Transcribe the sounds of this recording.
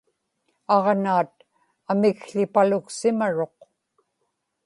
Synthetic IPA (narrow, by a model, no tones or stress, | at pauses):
ɑʁnaːt̪ | amɪkɬɪpalʊksɪmaɻo̞q